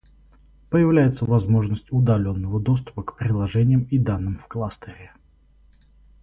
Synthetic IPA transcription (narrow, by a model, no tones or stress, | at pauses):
pəjɪvlʲæjɪt̪səvɐzmo̞ʐnəsʲtʲʊd̪ɐlʲo̞nːəvəd̪o̞s̬t̪ʊ̥pəkpɾʲɪlˠɐʐɛnʲɪjəmid̪anːɨmfklˠast̪əɾʲɪ